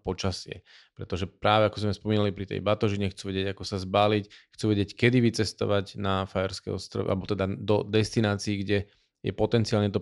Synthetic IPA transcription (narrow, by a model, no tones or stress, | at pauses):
pɔt͡ʃasɪɛ̰ | pɾɛt̪ɔʒɛpɾaːʋɛakɔzmɛspɔmiːnalipɾit̪ɛ̰jbat̪ɔʒiɲɛxt͡suːʋɛɟɛɟakɔsazbaːlicxt͡suʋɛɟɪɛckɛd̪iʋit͡sɛst̪ɔ̰ʋaɟnafajɛɾskɛjɔst̪ɾɔ̰ʋɛ̰ʔa̰lɛbɔt̪ɛd̪ad̪ɔd̪ɛst̪inaːt͡siːɡɟɛ | jɛ̰pɔt̪ɛnt͡siaːlɲɛt̪ɔ